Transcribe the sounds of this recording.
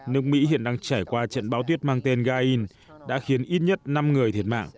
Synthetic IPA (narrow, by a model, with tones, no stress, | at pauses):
nɨ˦˥ək̚mḭ˧˥hḭ˧˨ənɗaː˧ŋt͡ɕaː˧˩jkwaː˧t͡ɕə̰˧˨nɓaː˨˦wt̪wi˦˥ət̚maː˧ŋt̪e˧nɣaː˧ʔi˧n | ɗa̰ː˧˥xi˨˦ənʔi˦˥t̚ɲə˦˥t̚na˧mŋɨ˨˩əjt̪ʰi˧˩ət̚ma̰ː˧˨ŋ